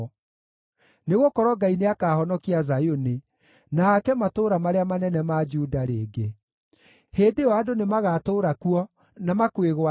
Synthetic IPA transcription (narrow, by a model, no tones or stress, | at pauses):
neɣokɔɾɔɡaineakahɔnɔkiazajone | nakɛmatoːɾamaɾeamanɛnɛmad͡ʒudaɾeːɡe | heːdeɔadonemaɣatoːɾakuɔ | namakweɣwa